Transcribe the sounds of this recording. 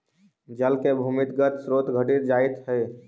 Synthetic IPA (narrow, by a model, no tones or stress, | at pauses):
d͡ʒəlkebʱumɪt̪ɡət̪sɾoːt̪ɡʱəɖiɾd͡ʒaet̪ɦɛː